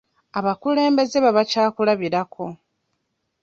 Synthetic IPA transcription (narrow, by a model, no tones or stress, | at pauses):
aβakule̞ːmbe̞ze̞βaβacaːkulaβiɾakʰo̞